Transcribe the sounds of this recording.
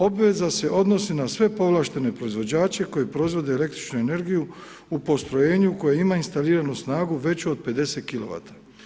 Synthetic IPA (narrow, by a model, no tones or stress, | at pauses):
o̞bʋe̞zase̞ʔo̞d̪no̞sinasʋe̞po̞ʋlˠaːʃt̪e̞ne̞pɾo̞izʋo̞d͡ʑaːt͡ʃe̞ko̞jepɾo̞izʋo̞d̪eːle̞kt̪ɾit͡ʃnue̞ne̞ɾɡiju | upo̞st̪ɾo̞je̞ːɲuuko̞jeimainst̪aliːɾanusnaːɡuʋe̞t͡ɕod̪̚pe̞d̪e̞se̞t̪̚kilo̞ʋa̰t̪ḁ